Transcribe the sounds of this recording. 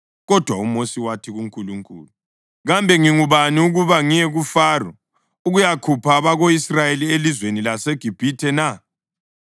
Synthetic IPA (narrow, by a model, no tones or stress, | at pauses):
ɣɔd̥ʱwaumosiwatʰiɣuŋkʼuluŋkʼṵːlu | ɣambʱɛŋiŋuβaniuɣuβaŋijɛɣufaːrɔ | uɣujakʰupʰaβaɣoisrajelielizwenilaseɡ̥ʱib̥ʱitʰɛna